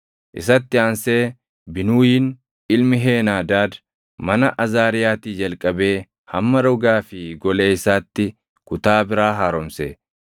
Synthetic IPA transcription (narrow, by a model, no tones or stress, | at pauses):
ʔɪ̰s̬ɐt̪ːɪaːnse̞ː | bɪnuːjin | ɪlmɪɦe̞ːnaːd̪aːd̪ | mɐnɐʔɐzaːɾɪjaːt̪iːd͡ʒɐlkʼɐbe̞ː | hɐmːɐɾɔɡaːfɪɡɔle̞ːɪsaːt̪ːɪ | kʊt̪aːbɪɾaːɦaːɾɔmsḛ